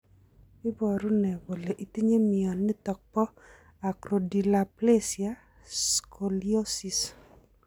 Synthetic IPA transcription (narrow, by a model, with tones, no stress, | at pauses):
ɪ˦bɔ˨ɾʊ˦nɛ˨wo˨le˨ʔi˨ti˦ɲe˦mi˨ɔ˨nːɪ˦tɔ˨k̚pɔ˦ | a˨kɾo˨di˨la˨ple˦sja˨ | skʰo˨li˦o˦si˨s